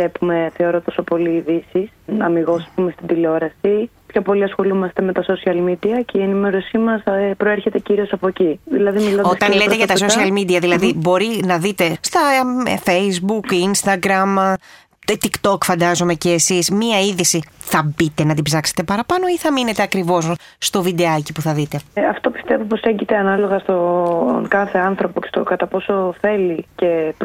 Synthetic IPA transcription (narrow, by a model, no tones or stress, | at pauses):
epume̞θe̞o̞ɾot̪o̞so̞po̞liːðisisɐmiɣo̞sɐspume̞st̪id̪ileo̞ɾɐsi | pço̞po̞liɐsxo̞lumɐst̪e̞me̞t̪ɐso̞siɐlmid̪iɐceie̞nime̞ɾo̞simɐspɾo̞eɾçe̞t̪e̞ciɾio̞sɐpociðilɐðimiloost̪ɐnleeʝɐt̪ɐs̬osiɐlmid̪iɐðilɐðibo̞ɾinɐðit̪e̞st̪ɐfejzbukinst̪ɐɡɾɐm | t̪t̪ikt̪o̞kfɐnd̪ɐzome̞ceːsismiɐiðisiθɐbit̪e̞nɐt̪ibzɐkse̥t̪e̞pɐɾɐpɐno̞iθɐmine̞t̪e̞ɐkɾivo̞s | st̪o̞vid̪e̞ɐcipuθɐðit̪e̞ɐft̪o̞pi̥st̪e̞vupo̞se̞ɲɟit̪eɐnɐlo̞ɣɐst̪o̞kɐθe̞ɐnθɾo̞pocest̪okɐt̪ɐpo̞so̞θe̞lice̞p